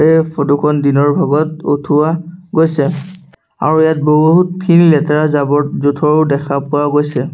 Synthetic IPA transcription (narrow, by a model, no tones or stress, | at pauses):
ejpʰɔdukʰɔndinɔɹbʱaɡɔt̚o̰tʰuwaɡojsɛ | a̰ɹujat̚boɦɦut̚pʰinlɛtaɹazabɔtzutʰɔɹdɛkʰapʊwaɡojsɛ